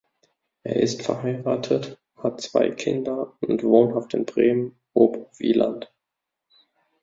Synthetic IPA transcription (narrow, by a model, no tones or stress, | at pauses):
ʔeːɐʔɪ̰stfɛɐɦaɪʁaːtʰət | hat̚t͡sv̥a̰ɪkʰɪndɐʊntv̥oːnɦaftɪnbʁeːmən | oːpvḭːlʔa̰nt